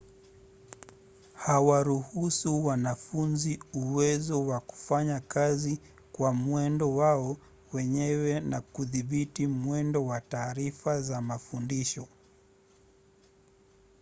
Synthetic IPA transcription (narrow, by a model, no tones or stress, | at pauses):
hawaɾuhusuwanafunziuwɛzɔwaku̥faɲakazi | kwamwɛndɔwaɔ | wɛɲɛwɛnakuðiɓitimwɛndɔwataːɾifazamafundiʃɔ